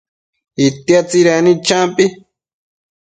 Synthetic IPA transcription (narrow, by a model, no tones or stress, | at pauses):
it̪jat͡siɾenĩt͡ʃampʼi